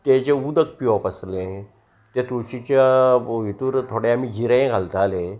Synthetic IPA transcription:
t̪ed͡ʑeud̪ək̚piɔpəslẽ | t̪et̪ɾuɕit͡ɕaʋit̪uːɾt̪ʰoɽeamid͡ʑiɾẽɡʱalt̪ale

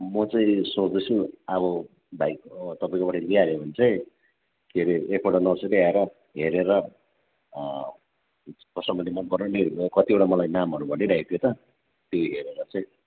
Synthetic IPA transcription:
mʌt͡sãĩsot͡sd̪ʌt͡sʰuaβʌ | bʱajkt̪ʌpaĩkobʌʈʌniaɾebʱʌnt͡saĩ | kʰeɾeekʰoʈanʌseɾeaeɾʌ | ɦeɾeɾʌ | kʌsʌmʌnlemʌnpʌrnʌnekʌt̪ieʈamʌlajnamɦʌɾubʱʌnːeɾait̪ʰijot̪ʌ | t̪joɦeɾeɾʌt͡saĩ

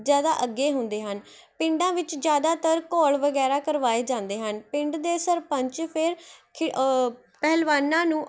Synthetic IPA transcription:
zjaːd̪a̰ːʔəɡːeːɦʊnd̪eːɦən | pɪ̃ɳɖãːʋɪt͡ʃd͡ʒjaːd̪aːt̪əɾkɔːɭʋəɡɛːɾaːkəɾʋaːeːd͡ʒãːnd̪eːɦənpɪ̃ɳɖd̪eːsəɾpəɲt͡ʃpʰɪɾkʰɪ | pɛːlʋaːnãːnũː

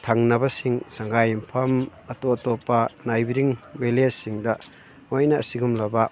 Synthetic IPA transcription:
tʰaŋnɐbɐsiŋsaŋɡajimpʰɐm | ɐtotopːɐnajbiɾiŋbelessiŋdɐ | mojnɐ̰ːsiɡumlɐbɐ

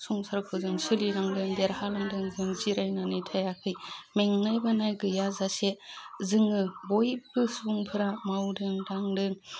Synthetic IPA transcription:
suŋsaɾkʰɯzɯŋsɯliɾaŋdɯŋdeɾhalaŋdɯŋzɯŋziɾajnanɯtʰajakʰɯjmeŋnajbanajɡɯjazasezɯŋɯbojbɯsuŋpʰɯɾamawdɯŋɾaŋdɯŋ

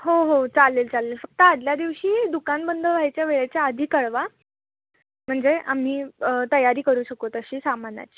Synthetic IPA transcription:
ɦoɦot͡salːeːlt͡salːelfək̚t̪əad̪ljad̪iʋɕiːd̪ukanbənd̪ʱəʋʱajt͡ɕjaʋeɭat͡ɕjaəd̪ʱiːkəɭʋa | m̤əɳd͡zeʔam̤iːt̪əjaɾiːkəɾuːɕəkot̪əɕiːsamana̰t͡ɕi̥ː

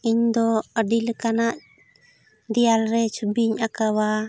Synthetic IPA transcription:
iɲd̪ɔəɖilkanaʔ | d̪ijalɾɛt͡ʃubiɲakawa

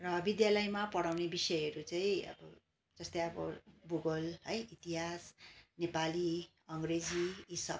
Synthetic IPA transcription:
rʌbid̪jalʌjmapʌɽawnebisʌjɦʌɾut͡saĩʌ̰bʌ | d͡zʌst̪ʌjʌbʌ̰ɡuɡʌlʌjit̪iɦasnepali | ʌŋɡred͡ziisʌb̚

